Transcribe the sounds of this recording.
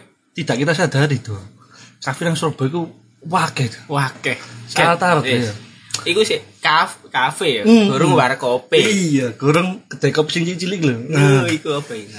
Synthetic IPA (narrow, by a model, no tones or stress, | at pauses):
t̪id̪̥a̤ʔkit̪asad̪̥ad̪id̪̥u | kafiɾaŋsərb̥ɔ̤iku | wakɛd̪wakɛsaɾət̪aɾət̪jaikusekafkafeɡɡoɾəŋwaɾkopeijaɡ̥o̤ɾəŋkəd̪̥ɛ̤kɔpi̥siŋt͡ʃit͡ʃilikloikuab̥ain